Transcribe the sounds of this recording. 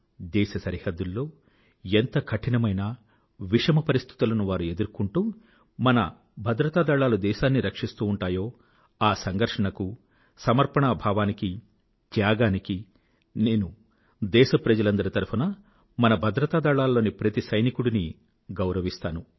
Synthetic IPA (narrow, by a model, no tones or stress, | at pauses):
d̪ɛːʃɐsɐɾihɐd̪ːulːo̞ː | ent̪ɐkʰɐʈinɐmɐjnɐ | ʋiʂɐmɐpɐɾist̪ʰi̥t̪ulɐnuʋaːɾue̞d̪uɾkuɳʈuː | mɐnɐ̰ | bʱɐd̪ɾɐt̪aːd̪aːɭaːlud̪ɛːʃaːnːiɾɐkʂist̪uːuɳʈaːjo̞ː | aːsɐŋɡɐɾʂɐɳɐku | sɐmɐɾpɐɳaːbʱaːʋaːniki | t̪jaːɡaːniki | ne̞ːnu | d̪ɛːʃɐpɾɐd͡ʒɐlɐnd̪ɐɾit̪ɐɾpʰunɐ | mɐnɐbʱɐd̪ɾɐt̪aːd̪aːɭaːlːo̞ːnipɾɐt̪isɐjnikuɽini | ɡɐwɾɐʋist̪aːnu